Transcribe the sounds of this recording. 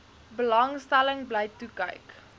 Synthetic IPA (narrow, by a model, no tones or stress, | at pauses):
bəlɐŋstæləŋbləjtukə̰jk